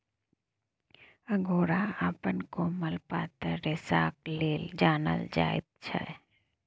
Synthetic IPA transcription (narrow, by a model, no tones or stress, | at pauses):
əɡʱoːɾaaːpənkoməlpaːt̪əɾesaːkleːld͡ʒaːnə̰ld͡ʒa̰ːɪ̰t̪̚t͡ʃʰɛ̰